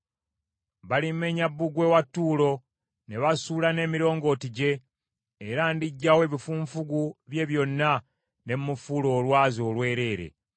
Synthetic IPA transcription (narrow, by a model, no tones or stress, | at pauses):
βalimːe̞ɲabːuɡwe̞watːuːlo̞ | ne̞βasuːlane̞ːmiɾo̞ːŋɡo̞tiɟe̞ː | ɾandiɟːawe̞ːβifuːɱfuɡuβje̞βjo̞nːa | ne̞mmufulo̞ːlwaːzo̞ːlwe̞ːɾe̞ːɾḛ